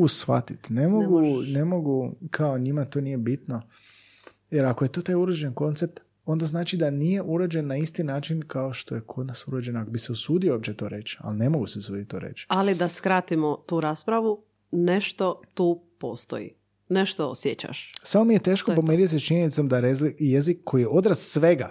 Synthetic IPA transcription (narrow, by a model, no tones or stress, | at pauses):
ɡusʋa̰t̪it̪nemoɡune̞mo̞ɡukʰaoɲimat̪o̞ːnije̞bit̪no̞ | jeɾakoje̞t̪ot̪aːjuɾod͡ʒenko̞nt̪sep̚t̪ | o̞nd̪aznaːt͡ʃid̪anije̞ʔuɾod͡ʒe̞nːaist̪inaːt͡ʃinkao̞ʃt̪o̞jekʰod̪nasuɾod͡ʒenoakobiseosuːd̪ioopt͡ɕt͡ʃet̪o̞ːɾe̞t͡ʃa̰line̞moɡuseosuːd̪it̪̚t̪ːoːɾḛt͡ʃalid̪askɾat̪imot̪uːɾaːspɾaʋu | neʃt̪ot̪uːpo̰st̪o̰jḭ | neʃt̪oo̰sjet͡ɕa̰ʃsamomije̞t̪e̞ːʃkopomeɾit̪set͡ʃiɲenit̪somd̪aeijezikʰːo̞jijeo̞d̪ɾassʋe̞ɡa